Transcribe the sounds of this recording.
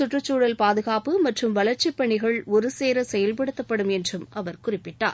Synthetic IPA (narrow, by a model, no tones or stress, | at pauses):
sʊʈrɯt͡ʃːuːɽɐlpaːðɯɣaːpɯmɐʈrɯmʋɐlɐɾt͡ʃːɪpːɐɳɪɣɐɭɔɾɯseːɾɐsɛjɐlpɐɽɯt̪ːɐpːɐɽɯmɛndrɯmʔɐʋɐɾkʊrɪpːɪʈːa̰ːɾ